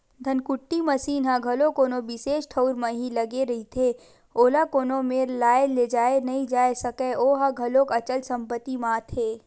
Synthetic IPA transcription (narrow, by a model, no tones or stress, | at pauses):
d̪ʱɐnkʊʈːimɐsiːnɦãɡʱɐlõkoːnobɪseːʃʈʰəʊɾmẽɦilɐɡeɾɐɦit̪ʰe | oːlakoːnõmeːɾlaːeleːd͡ʒaːenɐɦĩd͡ʒaːesɐkeʔoːɦãɡʱɐlõkɐt͡ʃəlsɐ̃mpət̪ːimãːt̪ʰeː